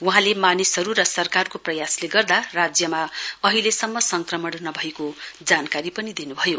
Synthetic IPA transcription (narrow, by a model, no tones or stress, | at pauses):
wuɦãlemanisɦʌɾurʌsʌrkarkoprʌjasleɡʌrd̪arad͡zjʌmaʌɦilesʌmːʌsʌŋkrʌmʌɽnʌbʱʌekod͡zankaɾipʌnid̪inubʱʌjo